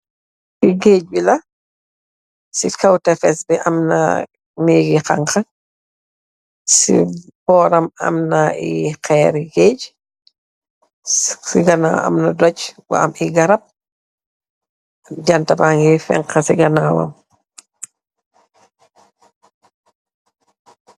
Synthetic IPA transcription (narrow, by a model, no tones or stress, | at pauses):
kiɡeːc̚bilɐ | sikɐwtɛfɛsbɛʔɐmna̰ | miːɡixaŋkɐ | sḭbɔːɾɐmɐ̰mnaḭxɛːɾɡeːc | siɡɐna̰ɐ̰mnɐdɔcwa̰ɐmiɡɐɾɐp̚ | dɐntɐbaŋɡifɛ̰ŋqɐsiɡɐnawɐ̰m